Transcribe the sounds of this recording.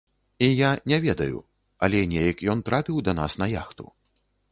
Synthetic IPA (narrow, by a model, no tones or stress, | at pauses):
ijanʲɛvʲɛd̪ɐjṵ | ɐlʲɛnʲɛjɐkjɔnt̪ɾapʲiwd̪ɐna̰snɐja̰xt̪ṵ